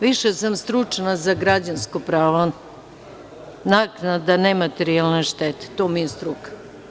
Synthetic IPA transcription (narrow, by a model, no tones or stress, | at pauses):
ʋiʃesamst̪ɾut͡ʂnazaɡɾad͡ʑanskopɾaːʋo | naknad̪anemat̪eɾialˠneʃt̪et̪e̥t̪oːmijest̪ɾukḁ